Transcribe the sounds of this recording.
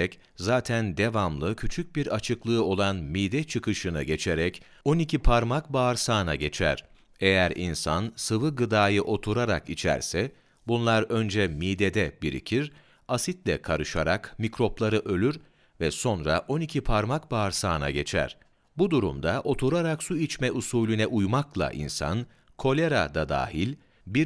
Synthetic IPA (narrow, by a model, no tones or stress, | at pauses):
ɛc | zaːt̪ʰænd̪e̞vamlˠɯcʰyt͡ʃʰyc̚biɾat͡ʃʰɯklˠɯːo̞lˠanmiːd̪ɛt͡ʃʰɯkʰɯʃɯnɯɟe̞t͡ʃʰeɾɛc | o̞nicʰipʰaɾmak̚baɾsaːna̰ɟe̞t͡ʃʰæ̰ɾ̥ | ejæɾḭnsansɯvɯɡɯd̪aːjɯʔo̞t̪ʰuɾaɾa̰kit͡ʃʰæ̰ɾsɛ | bunlˠaɾø̞nd͡ʒɛmiːd̪ed̪ɛbiɾḭcʰiɾ | asit̪lʲɛkʰaɾɯʃaɾakmicɾo̞plˠaɾɯʔø̞lʲyɾ | vɛso̞nɾaʔo̞nicʰipʰaɾmak̚baɾsaːna̰ɟe̞t͡ʃʰæ̰ɾ̥ | bud̪uɾṵmd̪aʔo̞t̪ʰuɾaɾaksuit͡ʃmɛʔusuːlʲynɛʔujmaklˠa̰ʔḭnsa̰n | kʰo̞lʲe̞ɾad̪ad̪a̰ːhilʲ | biɾ